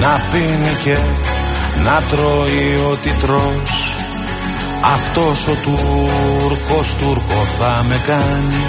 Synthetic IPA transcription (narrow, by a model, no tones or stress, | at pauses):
nɐfinice̞ | nɐt̪ɾo̞io̞t̪it̪ɾo̞ | s | ɐft̪o̞so̞t̪u | ɾko̞st̪uɾkoθɐme̞kɐni